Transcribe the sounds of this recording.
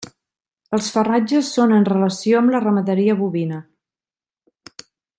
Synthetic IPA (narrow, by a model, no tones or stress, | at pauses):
əlˠsfərad͡ʒəsːonənrələsioəmlərəməðəɾiəβuβinə